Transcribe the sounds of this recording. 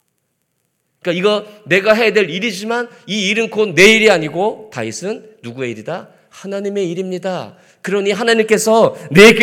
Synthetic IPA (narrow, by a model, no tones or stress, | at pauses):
ik͈aiɡʌne̞ɡaɦe̞jadwe̞ɾiɾid͡ʑimaniːɾɯnkʰodnːe̞iɾiaɲiɡota̰isʰɯnːuɡue̞iɾida | hanaɲime̞iɾimɲida | kɯɾʌɲiɦanaɲimk͈e̞sʰʌne̞k͈